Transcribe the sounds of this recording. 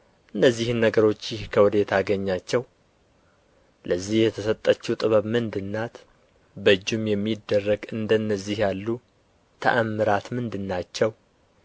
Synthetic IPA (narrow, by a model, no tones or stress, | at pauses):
ʔɨnːəzːihɨnːəɡəɾo̞t͡ʃːjɪhkʰəwʊd̪et̪ʰaɡəɲːat͡ʃːɛw | ləzːihjɛt̪ʰəsət̪ʼːət͡ʃːut̪ʼɨβəβmɨnd̪ɨnːat̪ | bəd͡ʒːumjɛmːid̪ːərːəɡɨnd̪ənːəzːihjalːu | t̪ʰə̰ʔamːɨɾat̪mɨnd̪ɨnːat͡ʃːɛw